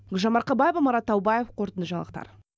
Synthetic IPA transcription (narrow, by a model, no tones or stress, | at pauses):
ɡʒɑmɑɾqɑbɑjevɑmɑɾɑt̪ʰːɑwbɑjefqʰoɾt̪ənd̪əʒɑɴɑlˠəq̚t̪ɑ̰ɾ